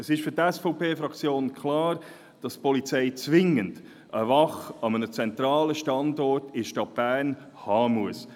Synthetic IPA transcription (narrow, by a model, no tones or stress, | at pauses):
əsɪʃfʏɾtɛsfɔʊpʰeːfɾɑkt͡sjoːnkʰlɑːɾ | d̥ɑstpɔlit͡sɛɪt͡svɪŋənd̥ | ʔəvɑχɑmənət͡sɛnt̪ɾɑːləʃtɑndɔɾtɪʃtɑt̚b̥æːʁn | hɑːmuəs